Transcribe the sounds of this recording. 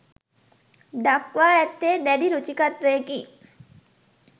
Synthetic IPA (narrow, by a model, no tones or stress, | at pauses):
d̪ɐkʋaːɛt̪ːeːd̪ɛɖiɾut͡ʃikɐt̪ʋeːki